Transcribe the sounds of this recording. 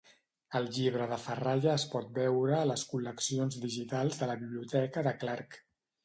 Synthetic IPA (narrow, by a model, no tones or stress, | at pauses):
əlˠʎiβ̞ɾəðəfəraʒəːspɔt̪̚bɛwɾəːləskuləksionzðiʒit̪alˠzðələβiβliut̪ɛkəðəklaɾk